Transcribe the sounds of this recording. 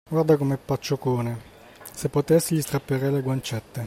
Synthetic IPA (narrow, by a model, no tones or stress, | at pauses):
ɡward̪akomepːat͡ʃːokoːne | sepːot̪ɛsːiʎist̪ɾapːeɾeleɡwant͡ʃɛt̪ːe